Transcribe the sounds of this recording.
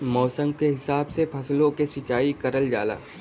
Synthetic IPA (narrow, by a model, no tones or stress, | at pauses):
mɔːsə̃ŋɡ̚keɦɪsaːbsepʰɐslõkesɪt͡ʃaːikɐɾəld͡ʒa̰ːla̰ː